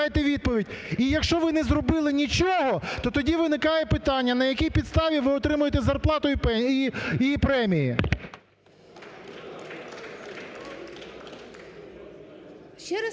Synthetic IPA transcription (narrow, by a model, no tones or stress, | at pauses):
jet̪ɛʋʲid̪̚pɔʋʲidʲ | ijɐkʃt͡ʃɔʋɪnɛzɾɔbɪlˠɪnʲit͡ʃɔɦɔt̪ɔt̪ɔdʲiʋɪnɪkɑjɛpɪt̪ɑnʲːɐnɐjɐkʲijpʲid̪st̪ɑʋʲiʋɪɔt̪ɾɪmʊjet̪ɛzɐrplˠɑt̪ʊipɛiipɾɛmʲiji